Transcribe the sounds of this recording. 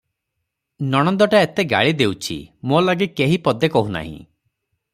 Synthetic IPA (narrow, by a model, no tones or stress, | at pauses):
nɔɽ̃ɔnd̪ɔʈaet̪eɡa̰ɭid̪ewt͡ʃʰḭmolaɡikeɦipɔd̪ekɔɦuna̰ɦḭ̃